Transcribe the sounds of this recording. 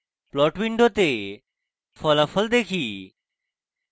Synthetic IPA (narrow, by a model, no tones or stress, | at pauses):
plɔʈʋiɳɖʱot̪e | fʰɔlafʰɔld̪ekʰi